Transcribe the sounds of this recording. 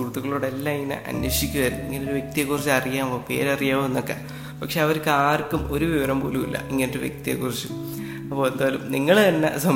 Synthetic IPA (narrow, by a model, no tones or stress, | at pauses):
urt̪ːuɣɐɭoːɽelːaiŋːɐnɨ̰ʔɐ̰nwɐʂikʲːuʋɐɾunːuiŋːɐneoɾuʋje̞k̚t̪ijekːurit͡ɕːɐrijaːmope̞̰ːɾɐrijaːmoenːokːḛː | pɐkʂe̞ːɐʋɐɾkːaːrkːumo̞ɾuʋiʋɐɾɐmbo̰ːlumḭlːɐ̰iŋːɐneoɾuʋjḛk̚t̪ijḛkːurit͡ɕːu | ɐpːo̞ːend̪aːlumniŋːɐɭɐnːɐ̰sɐm